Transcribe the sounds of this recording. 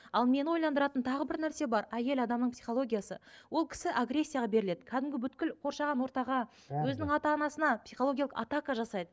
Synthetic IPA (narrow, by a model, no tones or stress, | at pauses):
ɑlˠme̞nwo̞jlˠɑnd̪əɾɑt̪ənt̪ʰɑʁəbɪɾnæɾse̞bɑɾæje̞lɑd̪ɑmnəɴpsijχo̞lˠo̞ɡʲijasə̰wo̞lˠkʲʰɪ̥sɪʔaɡɾe̞sʲːijaʁɑbe̞ɾɪle̞d̪ɪkʲʰæd̪ɪmɡʲɪbʏt̪̚kʲɪlqʰo̞ɾʃɑʁɑnwo̞ɾt̪ɑʁɑ | wɵzɪnɪŋɑt̪ɑːnɑsənɑpsijχooɡʲjalˠə̥qɑ̰t̪ɑkɑʒɑsɑjd̪ə